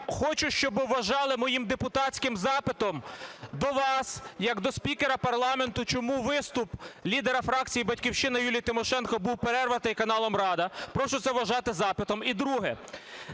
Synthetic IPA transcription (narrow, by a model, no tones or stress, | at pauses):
xɔt͡ʃʊʃt͡ʃɔbɪʋɐʒɑlˠɪmɔjimd̪epʊt̪ɑtt͡sʲkɪmzɑpɪt̪ɔmd̪ɔʋɑsjɐɡd̪ɔspʲikeɾɐpɐrlˠɑme̞nt̪ʊt͡ʃɔmuʋɪst̪ʊplʲid̪eɾɐfɾɑk̚t͡sʲijibɐtʲkʲiwʃɪnɐjulʲijt̪ɪmɔʃɛnkɔbuwpeɾɛrʋɐt̪ɪjkɐnɑlˠɔmrɑd̪ɐpɾɔʃʊt̪sɛʋɐʒɑt̪ɪzɑpɪt̪ɔmid̪ɾuɦɛ